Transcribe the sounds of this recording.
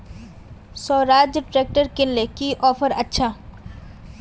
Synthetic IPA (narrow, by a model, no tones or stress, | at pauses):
sɔːɾaːd͡ʒʈɾek̚ʈəɾkɪnlekiʔɔːfʰəɾɐtːʃʰa